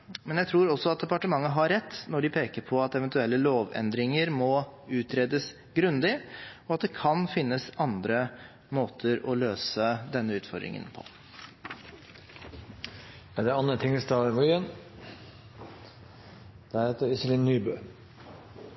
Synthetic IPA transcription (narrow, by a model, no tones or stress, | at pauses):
mɛnjæɪt̪ʰɾuːɾɔsːɔɑt̪̚d̪ɛpɑʈəmɑŋːəɦɑɾɛt̪ːnɔɖɪpʰeːkəɾpʰɔɑt̪ɛʋɛnt̪ʉɛlːəloːʋɛ̰nd̪ɾɪŋəɾmɔʉːt̪ʰɾeːd̪əs | ɡɾʉnd̪ɪɔɑt̪̚d̪ɛkʰɑnfɪnːəsɑnd̪ɾə | moːt̪ʰəɾɔløːsəd̪ɛnːəʉːt̪fɔɾd̪ɾɪ̰ŋə̰npʰɔ̥̰ | ɛd̪ɛɑnət̪ʰɪŋəst̪ɑːʋɔʏən | d̪̥ɛɾheːt̪əɾɪsəlɪnːyːbøː